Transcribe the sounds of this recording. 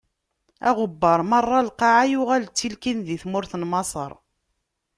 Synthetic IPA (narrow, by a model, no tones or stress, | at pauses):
æʁʊbːəɾˤmərˤːɑlqɑʕajʊʁælt͡sːilkinðiθmʊɾθənmɑsˤə̰ɾˤ